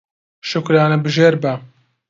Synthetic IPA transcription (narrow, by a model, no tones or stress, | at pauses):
ʃʊkɾaːnɐbɨʒeːɾbɐ